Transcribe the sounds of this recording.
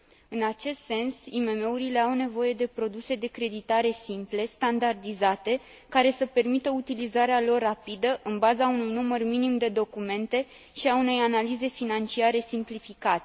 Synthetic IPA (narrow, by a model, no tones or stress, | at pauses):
ɨnat͡ʃe̞st̪se̞nsime̞me̞uɾile̞awne̞vo̞je̞d̪e̞pɾo̞d̪use̞d̪e̞kɾe̞d̪it̪aɾe̞simple̞st̪and̪ard̪izat̪e̞ | kaɾe̞səpe̞rmit̪əut̪ilizaɾealo̞rːapid̪əʔɨnbazaunujnumərminimd̪e̞d̪o̞kume̞nt̪e̞ | ʃiaune̞janalize̞finant͡ʃiaɾe̞simplifikat̪e